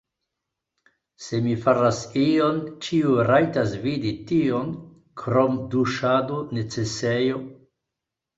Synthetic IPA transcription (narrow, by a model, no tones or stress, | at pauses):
se̞mifaɾasio̞nt͡ʃiuɾajtasviditio̞n | kʰɾomduʃadone̞t͡se̞sejo̞